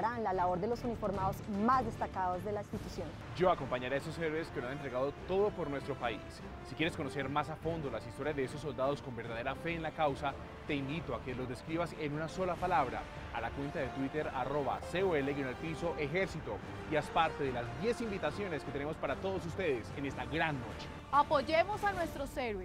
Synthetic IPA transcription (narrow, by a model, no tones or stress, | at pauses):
ɾanlalaβo̞ɾd̪elosunifo̞ɾmaðozmazd̪est̪akaðo̞zd̪e̞laĩnst̪it̪usjon | d͡ʒo̞ako̞mpaɲaɾeesoseɾeɾeskelosane̞nt̪ɾeɣaðo̞t̪o̞ðo̞po̞ɾnwe̞st̪ɾo̞paisː | ikʲje̞ɾesko̞no̞se̞ɾmasafo̞nd̪o̞lasist̪o̞ɾjazðe̞esosːo̞ld̪að̞o̞sko̞mbeɾðaðe̞ɾafe̞ːnlakawsa | t̪e̞imbit̪oake̞lo̞zde̞skɾiβase̞nunaso̞lapalaβɾa̰ː | lakwe̞nt̪aðet̪wit̪e̞ɾa̰ro̞βa̰seoeleɣonelpiso̞ʔe̞xe̞ɾsit̪o̞ | jaspaɾt̪eðe̞lazd̪je̞simbit̪asjo̞ne̞sket̪ene̞mospaɾat̪o̞ðo̞s̬ust̪e̞ðesene̞st̪aɡɾanːo̞t͡ʃe̥ | apoʝemosanwe̞st̪ɾoseɾwe